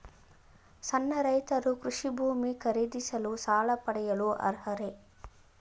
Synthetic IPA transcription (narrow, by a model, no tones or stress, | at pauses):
sɐnːɐɾɐjt̪ɐɾukɾuʂibʱuːmikɐɾid̪isɐlusaːlɐpɐɽɛjɐluɐ̰ɾɦɐɾe